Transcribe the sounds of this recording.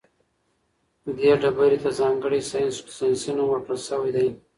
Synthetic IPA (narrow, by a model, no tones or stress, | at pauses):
d̪eɖabaɾit̪azɑŋɡəɽisɑjnssajnsunawaɾkəlsəwajd̪aj